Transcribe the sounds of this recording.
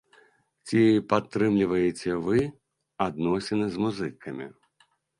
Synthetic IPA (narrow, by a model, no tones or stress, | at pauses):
t͡sʲipat̪ːɾɨmlʲivɐjet͡sʲɛvɨ | ad̪̚nɔsʲɛnɨzmuzɨkʰɐmʲḭ